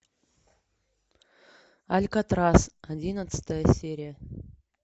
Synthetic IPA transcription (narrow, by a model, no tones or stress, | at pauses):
alʲkat̪rasadʲinət̪sɨ̥t̪əjəsʲeɾʲɪjə